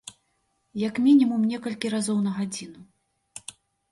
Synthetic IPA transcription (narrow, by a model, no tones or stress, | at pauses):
jakmʲinʲimumnʲɛkɐlʲkʲiɾazɔwnɐɣad͡zʲinu